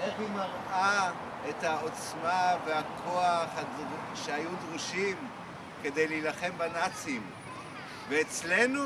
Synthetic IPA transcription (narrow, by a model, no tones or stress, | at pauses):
ʔeχimaʁʔa | ethao̞t͡smaveakʰo̞aχhadʃeajudʁuʃim | ke̞de̞jlejlaχe̞mbanat͡sim | veːt͡slenu